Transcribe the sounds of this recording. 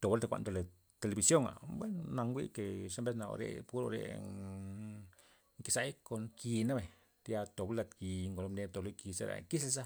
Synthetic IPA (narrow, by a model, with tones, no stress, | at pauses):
t̪o˨ba˦lt̪e˧kʷa̰˧nd̪o˧le˨ | t̪e˧le˧bi˧sjo˦˨ŋa̰˨bwe˦nːa˧ŋɡʷḭ˦ke˨ʂa˦mbe˦sna̰˧ɾḛ˧pu˦ɾo̰˧ɾḛ˧ | ŋki˧sa˧˦jko˧ŋki˧na˦be˨ɲ | t̪ja˧t̪o˨ba˦la˧t̪ki˧ŋɡo˨lo˧bne˧t̪o˨lo˦ki˧sḛ˧ɾa̰˨ki˦s̬e˧sa˦